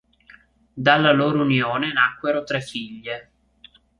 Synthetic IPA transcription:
d̪alːaloːɾounjoːnenakːweɾot̪ɾɛfiʎːe

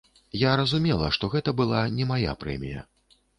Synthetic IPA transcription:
jaɾɐzumʲɛlˠɐʂt̪ɔɣɛt̪ɐbɨlˠanʲɛmaja̰pɾɛ̰mʲijɐ̰

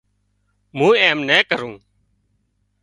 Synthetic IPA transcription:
mũːeːmnɛːkəɾũː

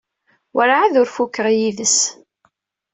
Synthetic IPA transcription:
wəɾʕaðʊɾfukːəʁjiðəs

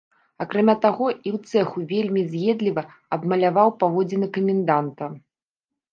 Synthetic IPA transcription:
akɾamʲat̪aɣɔiwt̪sɛxuvʲelʲmʲizʲjɛd̪lʲivɐ | ɐbmɐlʲavawpavɔd͡zʲinɨkɐmʲɛnd̪ant̪ɐ

